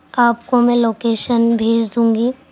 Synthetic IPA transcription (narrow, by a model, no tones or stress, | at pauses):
aːpkomɛ̃ːloːkeːʃənbʱeːd͡ʒd̪ũːŋɡi